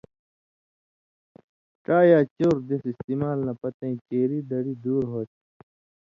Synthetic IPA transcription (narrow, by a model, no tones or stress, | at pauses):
kaːjaːt͡ɕoːɾd̪esist̪imaːlnɐpɐt̪ẽĩkeːɾiːd̪ɐɽid̪uːɾɦoːt̪